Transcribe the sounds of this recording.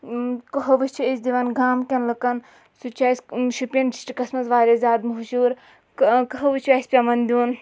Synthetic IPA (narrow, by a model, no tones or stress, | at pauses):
kɐɦɐʋɨt͡ʃʰiisʲd̪iʋɐnɡaːmkʲɐnlɨkɐn | sut͡ʃʰasʲʃupʲɐndi̥sʈikɐsmɐzʋaːɾʲɐzʲaːd̪muɦuʃuːɾ | kɐɦɐʋɨt͡ʃʰʲasʲpʲɐmɐnd̪ʲun